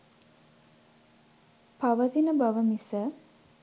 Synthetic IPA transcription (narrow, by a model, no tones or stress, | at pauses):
paʋət̪inəbaʋəmisə